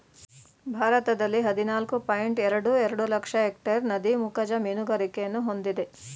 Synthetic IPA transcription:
bʱaːɾɐt̪ɐd̪ɐlːiɦɐd̪inaːlkupɐjiɳʈɛɾɐɽuɛɾɐɽulɐkʂɐek̚ʈɐɾnɐd̪imukɐd͡ʒɐmiːnuɡɐɾikejɐnːuɦo̞nd̪id̪e̞

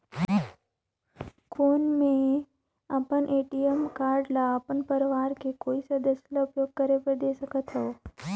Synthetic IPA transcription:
kʰonmẽ | apənʔeʈiemkaɾɖlaːpəɳpəɾʋaɾkekoisəd̪əslaʊpjoɡ̚kəɾepəɾd̪esəkət̪ʰɦəo

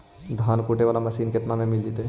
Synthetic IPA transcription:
d̪ʱaːnkuːʈeʋaːlamɐsiːnkɪt̪namẽmɪld͡ʒ̪it̪ɛ

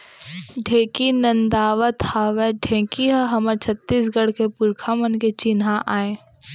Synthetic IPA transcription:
ɖʱẽːkinə̃nd̪aːʋət̪haːʋɛɖʱẽːkiɦəɦɐməɾt͡ʃʰət̪ːiːsɡəɽ̤kepʊɾkʰamənket͡ʃɪnɦaʔaːẽː

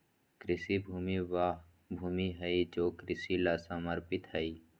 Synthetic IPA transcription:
kɾɪsibʱuːmiʋaː | bʱuːmiɦəid͡ʒoːkɾɪsilasaməɾpɪt̪ɦəi

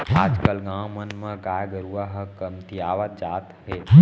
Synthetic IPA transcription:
aːd͡ʒkəlɡãːmənmə̃ɡaːjɡəɾuaɦəkəmt̪ijaːʋət̪̚d͡ʒaːt̪ɦe

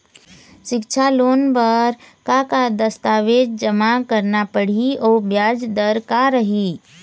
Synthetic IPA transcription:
ʃɪkt͡ʃʰaloːnpəɾkakad̪əst̪aːʋeːd͡ʒd͡ʒəmakəɾnapəɽ̤iɔːbjaːd͡ʒd̪əɾkaɾəɦi

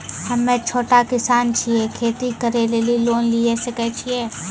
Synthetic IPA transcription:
hɐmːẽt͡ʃʰoːʈakɪsaːnt͡ʃʰiekʰeːt̪ikɐɾeleːliloːnliesekɛt͡ʃʰieː

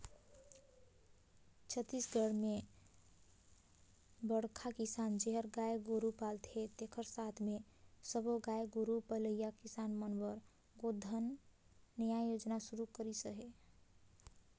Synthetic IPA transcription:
t͡ʃʰət̪ːisɡəɽme | bəɽkʰakisand͡ʒeɦəɾɡajɡoɾupalt̪ʰet̪ekʰəɾsat̪ʰmesəboɡajɡoɾupələijakisanmənbəɾ | ɡod̪ʱənː | əjajod͡ʒnasuɾukəɾisəɦe

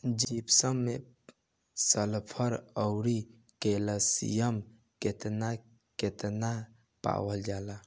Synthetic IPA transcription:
d͡ʒipsəmːe | səlpʰəɾəwɾi | keləsḭjəm | ket̪na | ket̪na | pa̰wəld͡ʒaːla

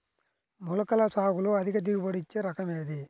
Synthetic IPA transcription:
mulɐkɐlɐsaːɣuluɐd̪ʱikɐd̪̬iɡupɐɽit͡ʃːeɾɐkɐmeːd̪i

